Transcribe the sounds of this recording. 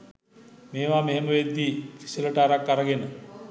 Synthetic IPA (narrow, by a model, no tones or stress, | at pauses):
meːʋameɦeməʋed̪ːifi̥siləʈaːɾakːaɾəɡenə